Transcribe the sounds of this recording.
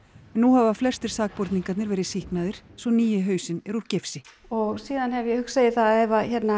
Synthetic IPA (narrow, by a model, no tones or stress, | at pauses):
nːuɦavaflɛ̥st̪ɪɾ̥saːk̚pɔɾt̪niŋkat̪nɪɾvɛːɾɪsihknaðɪɾ̥svɔniːjɪɦœːɥsɪnɛɾuɾ̥cɪfsɪ | ɔɣsiːðanhɛvjɛhʏkseːjɪθaɛvaçɛt̪na